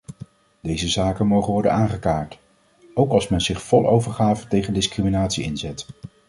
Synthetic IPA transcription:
d̥ejzəzaːkənmowχəʋɔɹdə̰naːŋχəkaːɹt | owkɑlˠsmɛnzɪχfɔlˠo̰wvəɹχaːvətejχəndɪskriminaːtsiɪnzɛt

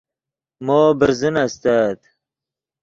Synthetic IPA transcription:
moːbəɾzənast̪aːd̪

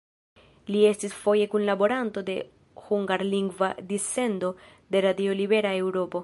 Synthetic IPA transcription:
lie̞stisfo̞je̞kunlabo̞ɾanto̞de̞ | huŋɡaɾliŋɡvadise̞ndo̞ | de̞ɾadio̞libe̞ɾae̞wɾo̞po̞

